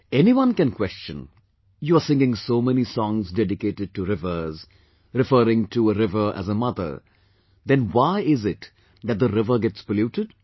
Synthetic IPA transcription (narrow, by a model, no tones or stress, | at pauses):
ɛniwʌ̃nkɛ̃nkwɛst͡ʃə̰̃n | juəsɪ̃ŋɡɪ̃ŋsoːmɛnisɔ̃ŋzdɛɖɪkeːtɨɖ̚ʈuɾɪvə˞z | ɾɨfəɾɪ̃ŋtʰuəɾɪvə˞ʔæ̰zəmʌd̪ə̰˞ | d̪ɛ̃nwaɪɪzɪt | d̪æt̚d̪əɾɪvə˞ɡɛtspəluːʈɨd